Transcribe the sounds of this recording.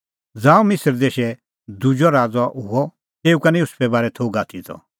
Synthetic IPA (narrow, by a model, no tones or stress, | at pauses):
d͡zãːũmɪsəɾd̪eːʃɛ | d̪ud͡ʒɔɾaːd͡zɔɦuɔ | t̪eːukɐnĩjʊspʰɛbaːɾɛt̪ʰoɡaːt̪ʰit̪ʰɔ̰